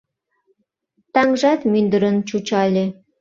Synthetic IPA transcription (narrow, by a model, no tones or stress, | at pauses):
t̪ɑŋʒɑt̪mynd̪əɾənt͡ɕut͡ɕɑlʲe